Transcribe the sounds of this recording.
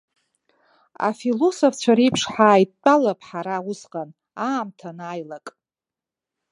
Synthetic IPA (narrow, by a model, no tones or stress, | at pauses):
a̰filosoft͡ʃʷʰaɾijpʰʂħaːjt̚ːʷʼalapʰʼħaɾawʊsqʼan | aːmtʰanaːjlakʼ